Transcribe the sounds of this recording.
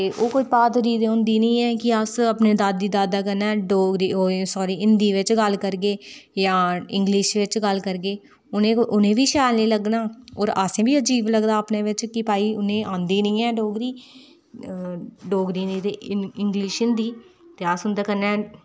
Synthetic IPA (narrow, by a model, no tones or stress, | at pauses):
t̪eːʔoːkoiːpaːt̪ɾiːd̪ẽːɦʊ̃nd̪iːnəĩːɛ̃ːkɪəsəpneːd̪aːd̪ːiːd̪aːd̪aːkəɾnɛːɖoːɡɾiːoːsɔːɾiːɪnd̪iːʋɪt͡ʃɡəlkəɾɡeːjãːɪ̃ŋɡlɪʃʋɪt͡ʃɡəlkəɾɡeː | ʊnẽːʔʊnẽːʋiːʃaːlnĩːləɡnaːoːɾaːsẽːbiːəd͡ʒiːbləɡd̪aːəpneːʋɪt͡ʃkɪpaːiːʊnẽːʔãːnd̪iːnəĩːɛːɖoːɡɾiː | ɖoːɡɾiːnĩːt̪eːɪŋɡliːʃɪnd̪iːt̪eːasʊnd̪aːkəɾnɛː